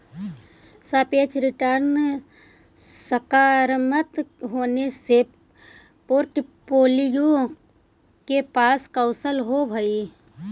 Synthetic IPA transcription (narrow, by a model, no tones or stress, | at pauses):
saːpeːt͡ʃʰɾɪʈəɾn | səkaːɾmət̪ɦoːnese | poːɾʈpoːlijõ | kepaːskəʊsəlɦobʱəi